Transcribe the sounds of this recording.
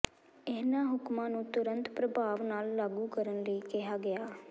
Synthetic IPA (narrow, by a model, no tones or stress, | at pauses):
ɪnãːɦʊkmãːnũːt̪ʊɾə̃nt̪pɾəbʱaːʋnaːlːaːɡuːkəɾənləiːkɪɦaːɡɪjaː